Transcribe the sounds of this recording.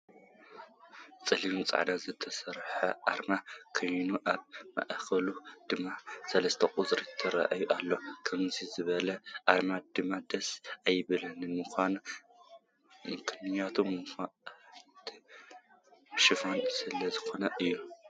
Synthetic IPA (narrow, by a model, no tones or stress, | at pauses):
t͡sʼɐliɾumt͡sʼa̰ʕnazɨt̪ʰɐsɐɾħɐʔaɾmakʰojnuʔaβmɐ̰ʔxɐlud̪̥ɨmːasɐlɐst̪ʰɐqʼuzɾit̪ʰɐɾa̰ʔajuʔalːo̞kʰɐmzizɨβɐlɐʔaɾmad̪̥ɨmːad̪ɐsajːɪβɨlɐnɨmɨxʷan | mɨkʰɨnɨɲat̪ʰom | t̪ʰi | ʃɪfansɨlɐzɨxo̞nɐʔɨjːu